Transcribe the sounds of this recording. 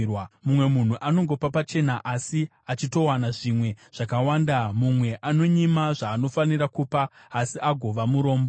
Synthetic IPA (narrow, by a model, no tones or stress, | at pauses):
wamumwe̞mun̤uʔano̞ŋɡo̞papat͡ʃe̞naʔasi | at͡ʃito̞wanaʐimwe̞ʐ̥akawaːndamumwe̞ʔano̞ɲimaʐaːno̞faniɾakupaːsiʔaɡʱo̞ʋamuɾo̞ːmbo